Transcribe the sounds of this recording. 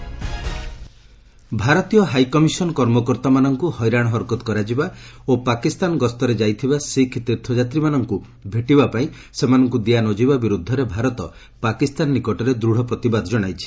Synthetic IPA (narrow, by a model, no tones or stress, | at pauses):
bʱaɾɔt̪ijɔɦajkɔmisɔnkɔɾmɔkɔɾt̪amanɔŋkuhɔjɾaɽ̃ɔɦɔɾkɔt̪kɔɾad͡ʒibaopakist̪anɡɔst̪ɔɾed͡ʒajt̪ʰibasikʰt̪iɾt̪ʰɔd͡ʒat̪ɾimanɔŋku | bʱeʈibapaĩ | semanɔŋkud̪ianɔd͡ʒibabiɾud̪ʱːɔɾebʱaɾɔt̪ɔ | pakist̪anːikɔʈɔɾed̪ɾuɽ̤ɔpɾɔt̪ibad̪ʱɔd͡ʒɔɽ̃ajt͡ʃʰi̥